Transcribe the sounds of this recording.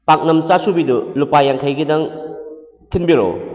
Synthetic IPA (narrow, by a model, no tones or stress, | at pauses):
pak̚nɐmt͡ʃasubidulupajaŋkʰajɡidɐŋ | tʰinbiɾo̰